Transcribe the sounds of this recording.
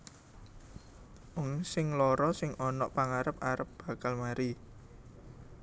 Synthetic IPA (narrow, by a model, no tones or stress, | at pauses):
ʊŋsɪŋlɔɾɔsɪŋɔnɔʔpaŋaɾəp̚aɾəp̚b̥a̤kalmaɾi